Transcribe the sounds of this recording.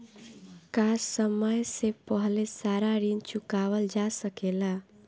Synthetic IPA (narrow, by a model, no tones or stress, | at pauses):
kassəməjsepəɦlesaɾaɾint͡ʃukawəld͡ʒasəkela